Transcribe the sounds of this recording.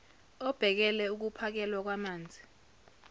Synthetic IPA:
ɔb̥ʱɛk̬ɛlɛuk̬upʰak̬ɛlwak̬wamaːnd͡zʱi

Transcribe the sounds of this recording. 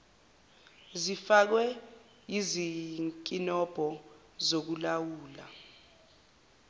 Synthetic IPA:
zifak̬wɛ | jiziŋkʼinɔb̥ʱɔ | zok̬ulawuːla̰

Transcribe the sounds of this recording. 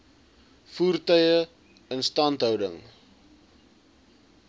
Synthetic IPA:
fuːrtœjə | ənstɐntɦœwdə̰ŋ

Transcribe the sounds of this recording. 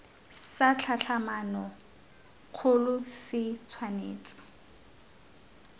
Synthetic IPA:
sat͡ɬʰaɬʰamanɔ | q͡χʰʊlʊsɪt͡sʰwaneːt͡sʼɪ̥

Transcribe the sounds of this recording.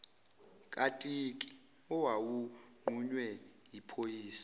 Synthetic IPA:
kʼatʼikʼi̥ | ɔwawuŋ͡ǃʱuɲwɛjipʰojiːsḁ

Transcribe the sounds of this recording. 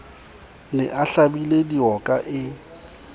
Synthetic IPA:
nɛʔaɬabilediɔkʼaʔɪ

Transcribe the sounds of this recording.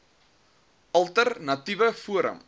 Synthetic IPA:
ʔɐlˠtərnɐtivəfuəɾə̰m

